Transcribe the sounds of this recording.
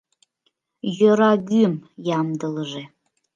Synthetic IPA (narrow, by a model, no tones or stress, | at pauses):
jɔɾaɡʲymjamdɨlɨʐe